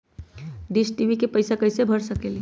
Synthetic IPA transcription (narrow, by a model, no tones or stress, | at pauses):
ɖisʈibʱikepəɪsakəjsebʱəɾsəkeli